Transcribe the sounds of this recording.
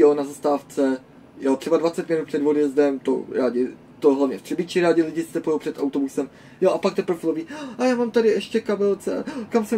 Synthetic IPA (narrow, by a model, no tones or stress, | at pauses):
onazast̪aːft͡sɛ | jot̪r̝ɛbadvat͡sɛt̪mɪnut̪pr̥ɛdvodjɛzdɛmt̪o̰ɾaːɟɪ | t̪oɦlavɲɛft̪r̥ɪbɪt͡ʃɪɾaːɟɪlɪɟɪssɛpojowpr̥ɛt̪awt̪obusɛm | joʔapak̚t̪ɛpɾofɪloviːʔajaːmaːmt̪adɪʔɛʃcɛkabɛlt͡sɛakamsɛ